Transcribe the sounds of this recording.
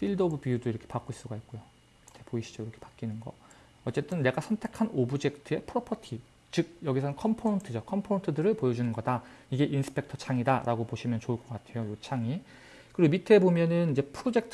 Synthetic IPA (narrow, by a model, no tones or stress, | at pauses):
pʰiɭdobupijudoiɾʌkʰe̞pak͈ois͈uɡait̚k͈ojo | tʰepoiɕʰid͡ʑoiɾʌkʰe̞pḁk͈inɯnɡʌ̰ | ʌt͡ɕ͈e̞t͈ɯnːe̞ɡasʰʌntʰe̞kʰanobud͡ʑe̞k̚tʰɯe̞pʰɯɾopʰʌtʰi | t͡ɕɯɡ̚jʌɡisʰʌnɯnkʰʌmpʰontʰɯd͡ʑokʰʌmpʰontʰɯdɯɾɯɭpojʌd͡ʑunɯnɡʌda | iɡe̞ʔinsʰɯ̥pʰe̞k̚tʰʌt͡ɕʰaŋidaɾaɡopoɕʰimjʌnt͡ɕoɯɭk͈ʌk͈atʰe̞jojot͡ɕʰaŋi | kɯɾiɡomitʰebomjʌnɯnid͡ʑe̞pʰɾod͡ʑe̞k̚tʰ